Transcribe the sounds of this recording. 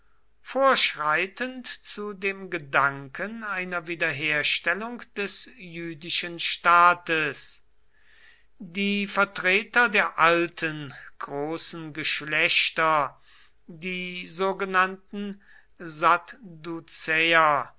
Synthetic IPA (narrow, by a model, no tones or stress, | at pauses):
foːɐʃʁaɪtəntt͡sudeːmɡədaŋkənaɪnɐviːdɐɦeːɐʃtɛlʊŋkd̥ɛsjyːdɪʃənʃtaːtəs | diːfɛɐtʁ̥eːtɐdeːɐʔaltʰənɡ̥ʁoːsn̩ɡəʃlɛɕtɐ | diːzoːɡənantn̩ | zatdut͡sɛɐ